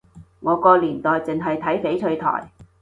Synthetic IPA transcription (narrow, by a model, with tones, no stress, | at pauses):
ŋɔː˨˧kɔː˧liː˨˩nt̪ɔː˨jt͡sɪ˨ŋɦɐ˨jt̪ʰɐ˨˥jfe˨˥jt͡sʰɵ˧ɥt̪ʰɔ̰ː˨˩j